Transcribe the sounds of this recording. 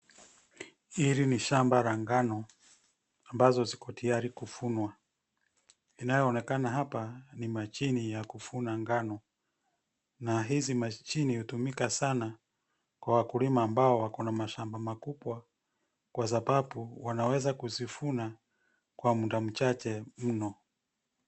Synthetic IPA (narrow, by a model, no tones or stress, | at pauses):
iliniʃambaɾaŋɡanɔ | ambazɔzikɔtijaɾikufunwa | inajɔːnɛkanaɦapanimat͡ʃinijakufunaŋɡanɔ | naɦizimat͡ʃinihutumikasana | kwawakulimaːmbaɔwakɔnamaʃambamakuɓwa | kwazapapuwanawɛzakuzifuna | kwamundam̩t͡ʃat͡ʃɛm̩nɔ